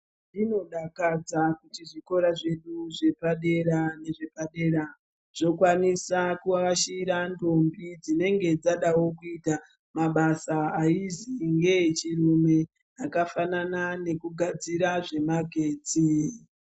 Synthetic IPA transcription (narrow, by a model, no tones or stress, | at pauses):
ndino̞ɗakad͡zakutiʐiko̞ɾaʐe̞ɗuʐe̞paɗe̞ɾane̞ʐe̞paɗe̞ːɾa | ʐ̥o̞kwanisakuaʋaʃiiɾanto̞mbid͡zine̞ŋɡe̞d͡zaɗawo̞kuita | maɓasaaiziŋɡe̞t͡ʃiɾume̞ | akafananane̞kuɡʱad͡ziɾaʐe̞maɡʱe̞ːd͡zi